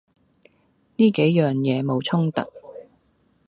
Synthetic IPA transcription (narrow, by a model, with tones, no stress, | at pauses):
niː˥ke˨˥jjœː˨˩ŋjɛː˨˧mo˨˧wt͡sʰʊ˥ŋt̪ɐ̰˨t̚